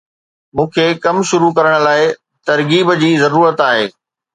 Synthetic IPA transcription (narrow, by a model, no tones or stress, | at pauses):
mũːkʰeːkɐmʃʊɾukɐɾəɽ̃ə̆laːɪ | t̪ɐɾɡiːbd͡ʑiːzɐɾuːɾət̪aːɦeː